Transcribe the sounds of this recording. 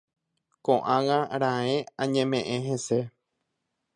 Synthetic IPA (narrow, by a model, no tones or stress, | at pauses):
kõʔãwãɾ̃ãẽãɲẽmẽʔẽɦẽse